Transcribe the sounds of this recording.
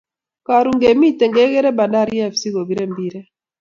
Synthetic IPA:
ka˨ɾu˨ŋɡe˨mi˦te˨ŋɡe˦ɣe˦ɾe˦ba˨nda˦˨ɾi˦a˦fsi˦ɡo˨bi˦ɾe˦mbi˦ɾe˦

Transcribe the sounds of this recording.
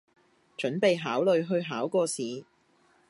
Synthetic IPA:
t͡ʃɵ˨˥npe˨jɦaː˨˥wlɵ˨˧ɥɦɵ˧ɥɦaː˨˥wkɔː˧siː˨˧

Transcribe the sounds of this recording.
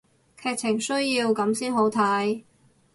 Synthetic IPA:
kʰɛː˧k̚t͡sʰɪ˨˩ŋsɵ˥ɥjiː˧wkɐ˨˥msiː˥nɦo˨˥wt̪ʰaː˨˥j

